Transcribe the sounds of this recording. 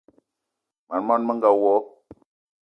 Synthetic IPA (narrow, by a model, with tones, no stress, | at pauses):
ma˨nmɔ˦nmə˦ŋɡa˨wɔ˨˦